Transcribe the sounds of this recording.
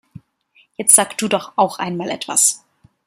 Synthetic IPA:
jɛt͡stz̥aːkd̥uːdɔχʔaʊxʔa̰ɪnmaːlʔɛ̰tv̥a̰s

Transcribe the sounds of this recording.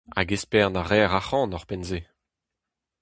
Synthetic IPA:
a̰ɡespɛʁnaʁɛːʁaχɑ̃ːnɔʁpɛnze

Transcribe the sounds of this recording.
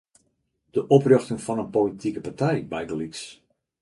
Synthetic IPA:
d̥əʔɔprøxtəŋfɔnənpolitikəpataribajɡəliks

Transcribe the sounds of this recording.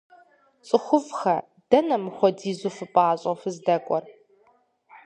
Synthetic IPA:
t͡sʼɨχʷʊvxɐ | d̥ɐnɐmɨxʷɔdiːzufɨpʼaːɕʼɔfɨzdɐkʷʼɔr

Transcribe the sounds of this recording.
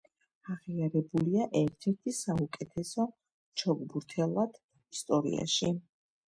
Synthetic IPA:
aʁiaɾɛbuliaʔɛɾt̪ʰɛɾt̪ʰisaukʼɛt̪ʰɛsɔ | t͡ʃʰɔɡbuɾt̪ʰɛlˠad̪̥ | ist̪ʼɔɾḭa̰ʃi

